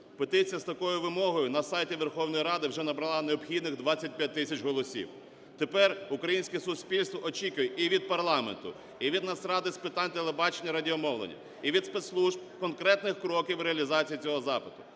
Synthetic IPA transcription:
pet̪ɪt͡sʲijɐst̪ɐkɔjʊʋɪmɔɦɔjʊnɐsɑjtʲiʋerxɔwnɔjiɾɑd̪ɪwʒɛnɐbɾɐlˠɑneɔbxʲid̪nɪɣd̪ʋɑt͡sʲːɐt̚ʲpʲjat̚ʲt̪ːɪsʲɐt͡ʃɦɔlˠɔsʲḭw | t̪epɛrʊkɾɐjinʲsʲkɛsʊsʲpʲilʲst̪ʋɔʔɔt͡ʃʲikʊjeʔiʋʲid̪̚pɐrlˠɑment̪ʊ | iʋʲid̪nɐsɾɑd̪ɪspɪt̪ɑnʲt̪elˠebɑt͡ʃenʲːɐɾɐdʲiɔmɔwlˠḛnʲːɐ̰ | iʋʲid̪spet̪slˠuʒb̚kɔnkɾɛt̪nɪxkɾɔkʲiwɾeɐlʲizɑt͡sʲijit͡sʲɔɦɔzɑpɪt̪ʊ̥

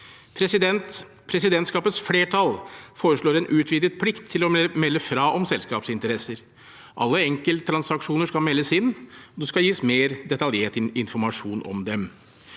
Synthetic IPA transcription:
pʰɾɛsɪd̪ɛnt̪ | pʰɾɛsɪd̪ɛnt̪skɑːpət̪sfleːʈʰɑlfoːɾəʂɭoːɾɛnʔʉːt̪ʰʋiːd̪ət̪̚pʰlɪkt̪ʰːɪlɔmɛlːəfɾɑːʔɔmsɛlskɑːpsɪnt̪əɾɛsəɾ | ʔɑ̰lːəɛŋkəlt̪t̪ʰːɾɑnsɑkʂuːnəʂkɑlmɛlːəsɪnːɔd̪ʉskɑljiːsmeːɾd̪ɛt̪ɑljeːʈɪnfɔɾmɑʂuːnɔ̰md̪ɛm

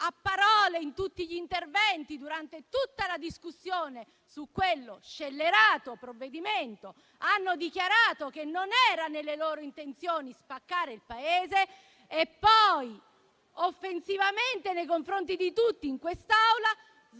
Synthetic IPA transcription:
apːaɾɔːleint̪ut̪ːiʎint̪ervɛnt̪id̪uɾant̪et̪ut̪ːalad̪iskusːjoːne | sukːwelːoʃelːeɾaːt̪opɾovːed̪iment̪o | anːod̪ikjaɾaːt̪ok̟enːonɛːɾanelːeloːɾoint̪ent̪sjoːnispakːaːɾeilpaeːze | epːɔj | ofːensivament̪enejkoɱfɾont̪id̪it̪ut̪ːiːŋkwest̪awla | z

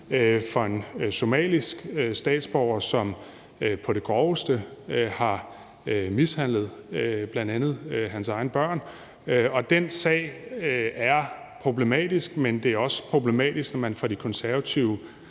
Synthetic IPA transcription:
øfɒ̽e̝nso̝mɛ̰ːlisɡ̥sd̥ɛ̰ːd̥sb̥ɒʊ̰ɐsɒ̽m | pʰɒ̽ɾ̥e̝ɡ̥ɒːʊsd̥əhɑ̈ | mishæn̰ləð̞̩ˠb̥lænd̥ænð̞̩ˠɦænsɑ̈ɪnəb̥ɶɐ̰n | ɒ̽d̥ensɛ̰ɪæɐ | pʰʁo̝b̥le̝mɛ̰ːd̥isɡ̥mend̥e̝æɐɒ̽spʰʁo̝b̥le̝mɛ̰ːd̥isɡ̥nɒmænfɒ̽d̥ikʰɒ̽nsæɐʋæt͡sʰiʊə

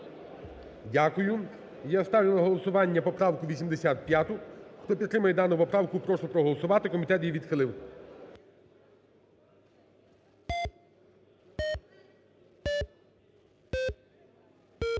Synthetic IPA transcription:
dʲakʊjʊ | jast̪ɑʋlʲɪlˠɐɦɔlˠɔsʊʋɑnʲːɐpɔpɾɑwkʊʋʲisʲimd̪esʲat̪̚pʲjat̪ʊxt̪ɔpʲid̪t̪ːɾɪmɐjɛd̪ɑnʊpɔpɾɑwkʊpɾɔʃɛpɾɔɦɔlˠɔsʊʋɑt̪ɪkɔmʲit̪ɛt̪jiʋʲid̪xɪlˠɪw

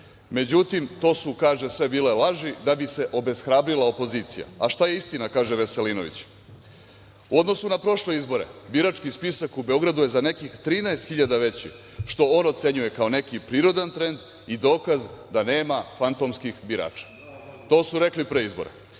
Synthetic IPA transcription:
me̞d͡ʑut̪imt̪o̞ːsukaːʒesʋe̞biːlelaʒid̪abise̞ʔo̞be̞sxɾaːbɾilaopo̞ziːt̪sija̰aʃt̪aje̞ist̪inakaːʒeʋeselino̞̰ʋḭt͡ɕ | uo̞d̪no̞sunapɾo̞ʃle̞izbo̞ɾḛbiɾat͡ʃkispisakube̞o̞ɡɾad̪uje̞zane̞kixt̪ɾiːnaest̪xiʎad̪aʋe̞t͡ɕḭ | ʃt̪o̞onot̪se̞ɲuje̞kaone̞kipɾiːɾo̞d̪ant̪ɾe̞nd̪ | id̪o̞ːkazd̪ane̞ːmafant̪o̞mskixbiɾa̰ːt͡ʃḁ | t̪o̞ːsuɾeklipɾeizboɾḛ

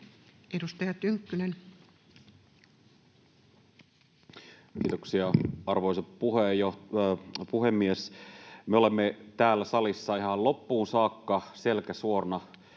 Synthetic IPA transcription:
edust̪ɑjɑt̪yŋkːynen | k̟iːt̪oksiɑɑrʋoisɑppuɦejo | puɦemːiesmeo̞le̞mːet̪æːlːæsɑlisːɑiɦɑllo̞pːuːnsɑːkːɑse̞lkæsuornɑ

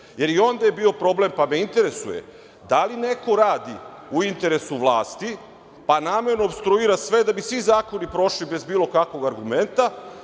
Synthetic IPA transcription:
je̞ɾio̞nd̪ajebio̞pɾo̞ble̞mpame̞int̪e̞ɾe̞sujḛ | d̪aline̞ko̞ɾaːd̪i | uint̪e̞ɾe̞suʋlˠaːst̪i | panaːme̞ɾnoːbst̪ɾuiɾasʋe̞d̪abisʋizaːko̞nipɾo̞ʃlibe̞zbiːlˠo̞kakʋo̞ɡaɾɡume̞nt̪a

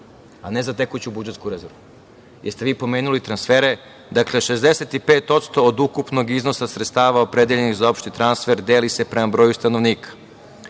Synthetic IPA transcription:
anezat̪ekut͡ɕubud͡ʒeskuɾezoɾu | jeɾst̪eʋiːpo̞meːnulit̪ɾansfeːɾe̞ | d̪akle̞ʃe̞zd̪eset̪ipeːt̪o̞t̪st̪o̞ːd̪ukupno̞ɡizno̞sasɾet̪st̪aːʋaopɾed̪eʎeniɣzao̞pʃt̪it̪ɾansfe̞ɾd̪eːlise̞pɾemabɾo̞ːjust̪ano̞ʋniːkḁ

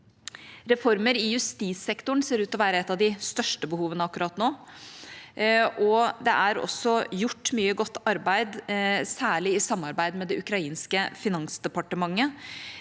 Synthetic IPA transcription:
ɾɛfɔɾməɾɪjʉst̪iːsɛkt̪ʊɳ̩seːɾʉːt̪ɔʋæːɾəɛt̪ːɑʋd̪ɪst̪œʂʈəbəhuːʋənəɑkːʉɾɑt̪noː | ʔɔd̪ɛʔæɾɔ̰sːɔjʊʈːmyːəɡɔt̪ːɑɾbæɪd̪sæːɭɪɪsɑmːɑɾbæɪd̪mɛd̪ɛʔʉkɾɑiːnskəfɪnɑŋsd̪ɛpɑʈəmɑŋːə

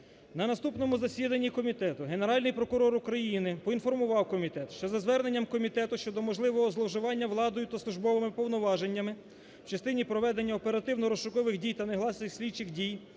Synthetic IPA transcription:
nɐnɐst̪upnɔmʊzɐsʲid̪ɐnʲːikɔmʲit̪ɛt̪ʊɦe̞neɾɑlʲnɪjpɾɔkʊɾɔɾʊkɾɐjinɪpɔin̪fɔrmʊʋɑwkɔmʲit̪ɛt̪ʃt͡ʃɔzɐzʋɛrne̞nʲːɐmkɔmʲit̪ɛt̪ʊʃt͡ʃɔd̪ɔmɔʒlˠɪʋɔɦɔzlˠɔʒɪʋɑnʲːɐʋlˠɑd̪ɔjʊt̪ɐsˠʊʒbɔʋɪmɪpɔwnɔʋɑʒenʲːɐmɪ | wt͡ʃɐst̪ɪnʲipɾɔʋɛd̪e̞nʲːɐɔpe̞ɾɐt̪ɪwnɔɾɔsʃʊkɔʋɪxdʲijt̪ɐneɦlˠɑsnɪxsʲlʲit͡ʃɪxdʲij

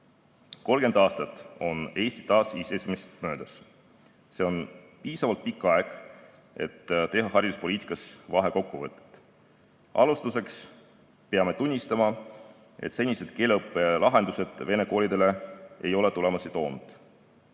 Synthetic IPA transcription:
ko̞lɡ̥e̞nd̪ɑːst̪ɑt̪ːˑo̞ne̞ːsʲt̪i̥t̪ɑːsiːse̞simest̪mø̞ːd̪̥ɑs | se̞o̞npiːsɑvɑlt̪̚pikːˑɑe̞ɡ̥ | e̞̰t̪ːt̪e̞ɦɑɦɑrʲjd̪uspoliːt̪ˑi̥kːˑɑsvɑɦe̞ko̞kːuvɤt̪ːˑe̥t̪ːˑ | ʔɑ̰lust̪use̞ks | peɑme̞t̪unʲːist̪ɑmɑ | e̞̰t̪se̞nʲːise̞d̪̥ke̞ːleɤpːˑe̞lɑɦe̞nd̪use̞d̪̥ve̞ne̞ko̞ːlid̪e̞le̞e̞jo̞le̞t̪ule̞mɑsit̪o̞ːnd̪̥

